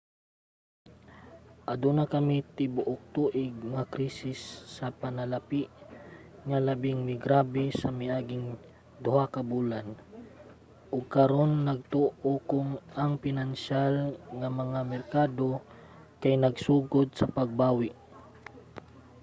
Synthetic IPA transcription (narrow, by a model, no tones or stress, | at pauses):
ʔɐd̪unakɐmit̪ɪbʊʔok̚t̪uːʔɪɡŋakɾiːsɪsːɐpɐnɐlapiʔ | ŋalɐbɪŋmɪɡɾaːbɛsɐmajʔaːɡɪŋ | d̪ʊhakɐbuːlan | ʔʊɡ̚kɐɾonːɐɡ̚t̪oʔokʊŋɐŋpɪnanʃalŋamɐŋamɛɾkaːd̪o | kajnɐɡsuːɡod̪̚sɐpɐɡ̚baːwɪʔ